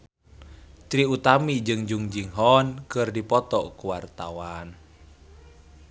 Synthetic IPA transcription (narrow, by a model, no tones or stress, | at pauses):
t͡ʃɾiut̪amid͡ʒɨŋd͡ʒuŋd͡ʒiŋɦɔnkɨrdipɔt̪ɔkuwart̪awan